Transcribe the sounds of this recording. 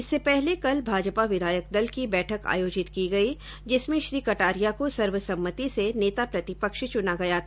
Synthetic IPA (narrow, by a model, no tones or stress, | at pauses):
ɪsːepɛɦlekɐlbʱaːd͡ʒpaʋɪd̪ʱaːjək̚d̪ɐlkibɛːʈʰəka̰ːjoːd͡ʒɪt̪kiɡɐi | d͡ʒɪsmẽʃɾiːkɐʈaːɾijakosɐɾʋəsɐ̃mːət̪iseneːt̪apɾɐt̪ɪpəkʃt͡ʃʊnaɡɐjat̪ʰː